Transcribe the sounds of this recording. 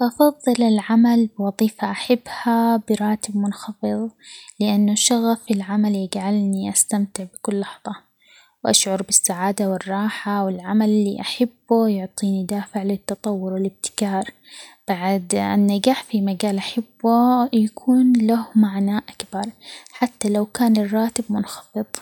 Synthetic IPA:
ʔɑfɑðˤːɨlɪlʕamalbwɑðˤiːfaʔaħabːhabɪɾˤɑːt̪ɪb̚mʊnxɑfɨðˤlɪʔanːaʃaɣafɪlʕamaljɪɡʕalniʔast̪amt̪ɪʕbɪkʊlːɑħðˤɑ | wʔaʃʕʊɾˤbɪsːaʕaːd̪awɪrˤːɑːħawɪlʕamalɪlːḭʔaħabːujʊʕt̪ˤiːnid̪aːfɪʕlɪt̪ːɑt̪ˤɑwːʊɾwɪlɪb̚t̪ɪ̥kɑːɾˤ | b̥aʕd̪ʔɪ̰nːaɡaːħfimaɡaːlʔaħabːujakʰuːnlahmaʕnaːʔakbɑɾˤħat̪ːalawkaːnɪrˤːɑːt̪ɪbmʊnxɑ̥fɨðˤ

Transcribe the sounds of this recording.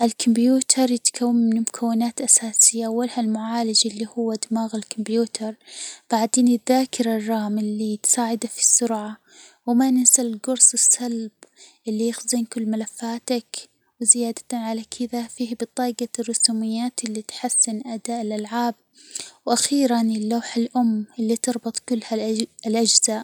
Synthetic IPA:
ʔɪlkʊmbjuːt̪ʰɑɾˤjɪt̪kʰawːɪmmɪnmʊkʰawːɪnaːt̪ʔasaːsɪjːaʔawːalhalmʊʕaːlɪd͡ʒʔɪlːihʊwːad̪maːɣɪlkʰʊmbjuːt̪ʰɑɾˤb̥aʕd̪eːnɪðːaːkɪɾˤɑrˤːɑːmɪlːit̪saːʕɪd̪afi̥sːʊɾʕa | wɪmanɪsalɪlɡʊɾsˤɨsːalbʔɪlːijɪxzinkʊlːmalafːaːt̪ak | wɪzɪjaːd̪ḁt̪aʕalakʰɪðafiːhbɨt̪ˤːɑːɡarːʊsuːmɪjːaːt̪ɪlːit̪ħasːɪnʔad̪aːʔɪlʔalʕaːb̚ | wʔaxiːɾanɪlːaːħalʔʊmːʔɪlːit̪ɨɾˤbɨt̪ˤkʊlːhaɪlʔad͡ʒz̥aːʔ

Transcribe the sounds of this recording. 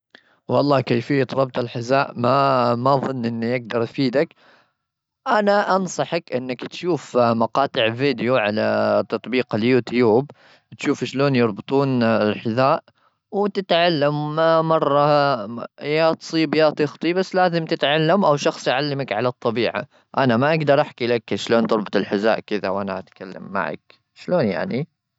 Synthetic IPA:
wɑlˤːɑːkajfɪjːat̪ɾˤɑb̚t̪alħɪzaːʔmamaðˤɨnːʔɪnːijɪɡ̚d̪ɑɾˤjfiːd̪ak | ʔanaʔɑnsˤɑħɑkʔɪnːakt̪ʃuːfmɑqɑːt̪ˤɨʕviːd̪juʕalat̪ɑt̪ˤbiːqaljuːt̪juːb | t̪ʃuːfɪʃloːnjɑɾˤbɨt̪ˤuːnɪlħɪzaːʔ | wt̪ɪt̪ʕalːammɑrˤːɑ | jaːt̪sˤiːbjaːt̪ɨxt̪ˤibasːlaːzɪmt̪ɪt̪ʕalːamʔawʃɑxsˤjʕalːamakʕalɑt̪ˤːɑbiːʕa̰ | ʔanamaʔaɡd̪ɑɾˤʔaħkilakʃloːnt̪ɑɾˤbɑt̪ˤɪlħɪza̰ːʔkɪða̰wʔanaʔat̪kalːa̰mːa̰ʕa̰k̚ | ʃloːnja̰ʕni

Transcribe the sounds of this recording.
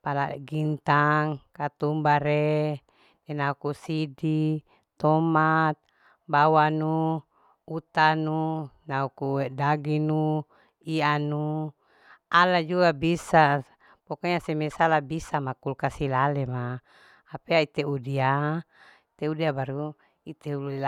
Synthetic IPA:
pala̰ɡint̪aŋkat̪umbaɾe | t̪ɛnaukusidi | t̪ɔmat̪̚ | bawanuː | t̪anunaukuedaɡinu | ianu | alad͡ʒuɡabisa | pokaɲasemesalabisamakulkasilalemaː | peait̪eudia | it̪eudiabaɾu | it̪eulu

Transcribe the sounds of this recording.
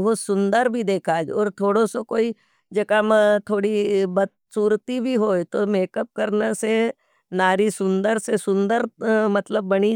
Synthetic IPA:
ɦosʊ̃nd̪əɾbʱid̪eːkʰaːd͡ʒɔːɾt̪ʰoːɽõsokoːi | d͡ʒɐkamt̪ʰoːɽibɐt̪ | suːɾt̪ibʱiɦoːt̪omeːkəp̚kɐɾnəse | naːɾisʊ̃nd̪əɾsesʊ̃nd̪əɾmɐt̪ləbːɐni

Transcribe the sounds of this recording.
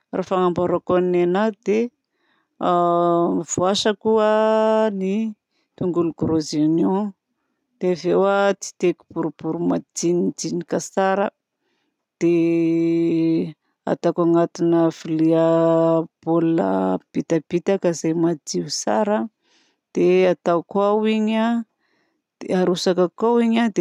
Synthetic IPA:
ra̰faŋambaɾakonnenad̪e | v̥uaʃəkuəni | t̪uŋɡuluɡɾozinu | d̪̥evewat͡si̥t̪eku̥b̥uɾub̥uɾumad̪inid͡z̪inikasaɾə | d̪̥e | a̰t̪akaŋat̪inəfilia | b̥olna̰b̥it̪ab̥it̪akəzajmad͡ziwsaɾə | d̪̥eat̪awkwawiɲa | d̪̥eaɾusakakawiɲad̪e

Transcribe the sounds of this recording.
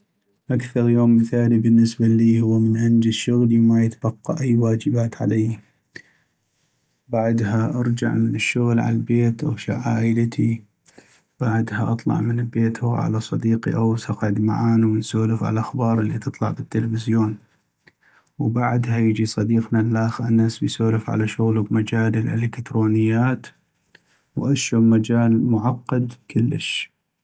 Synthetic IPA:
ʔakθɑɾˤjoːmːɪθaːlibənːɪsbaliːhʊwːamənʔand͡ʒɪzʃʊɣlimajɪt̪ab̥ɑqːɑ̰ʔajːwaːd͡ʒɪbaːt̪ʕa̰lajː | baʕd̪haʔɑɾˤd͡ʒa̰ʕmənɪʃːʊɣlʕa̰lalbeːt̪ʔawʃaʕaːʔəlt̪ʰi | b̥aʕd̪haʔɑt̪ˤlɑ̰ʕmənbeːt̪hʊʕa̰lasˤɑd̪iːqḭʔawsɑqʕɪd̪ma̰ʕaːnuwjsoːlɪfʕa̰laʔaxbɑːɾˤʔəlːit̪ɨt̪ˤlɑʕbɪt̪ːələfɪzjoːn | wbaʕd̪hajɪd͡ʒisˤɑd̪iːqnanːaxnːaːsbɪjsoːlɪfʕa̰laʃʊɣlubmad͡ʒaːlɪlʔɪ̰lɪkt̪ɾoːnɪjːaːt̪ | wʔaʃʊmad͡ʒaːlmʊʕɑqːɑd̪kʰʊlːə̰ʃ

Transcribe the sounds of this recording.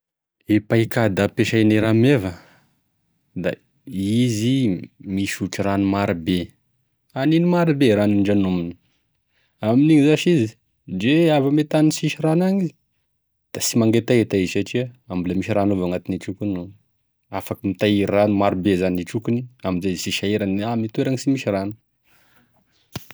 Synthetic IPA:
epaikad̪apeʃajneɾamevə | d̪a̰ | izimiʃuʈ͡ʂiɾanumaɾibe | aninimaɾibeɾaniɳɖ͡ʐanumini̥ | aminiŋizaʃizi | ɳɖ͡ʐeavamet̪ansiʃiranaɲiz | d̪̥asimaŋɡet̪aet̪aizsaʈ͡ʂiaambilamiʃiɾanovaŋat̪iniʈ͡ʂukunu | afakəmit̪aiɾanumaɾibezaniʈ͡ʂukuniamizasiʃaeɾanamit̪ueɾaŋisimiʃiranu̥

